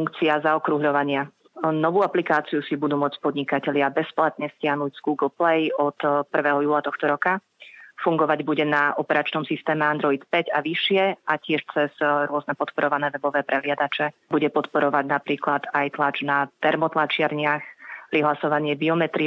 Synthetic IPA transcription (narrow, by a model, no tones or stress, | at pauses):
uŋkt͡siazaɔkɾuɦʎɔʋaɲɪa | nɔʋuːaplikaːt͡sijusibud̪uːmʊɔt͡spɔd̪ɲikacɛʎɪabɛsplat̪ɲɛscɪaɦnuɟz̥ɡuːɡɔlplɛjɔt̪pr̩ʋɛːɦɔjuːlat̪ɔxt̪ɔɾɔka | fuŋɡɔʋaɟbuɟɛnaʔɔpɛɾat͡ʃnɔmsist̪ɛːmɛand̪ɾɔit̪pɛɟaʋiʃɪɛacɪɛʃt͡sɛzɾʊɔznɛpɔt̪pɔɾɔʋanɛːʋɛbɔʋɛːpɾɛɦlɪad̪at͡ʃɛbuɟɛpɔt̪pɔɾɔʋaɟnapɾiːklad̪ajt̪lad͡ʒnat̪ɛɾmɔt̪lat͡ʃɪaɾɲɪaxpɾiɦlasɔʋaɲɪɛbiɔmɛt̪ɾi